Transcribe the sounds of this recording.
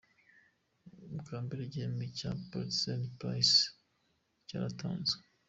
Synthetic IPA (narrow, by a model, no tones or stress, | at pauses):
mukʰaːmbiɾeɟeːmicapeɾsentpɾa̰js | ca̰ɾatʰa̰ːnze̥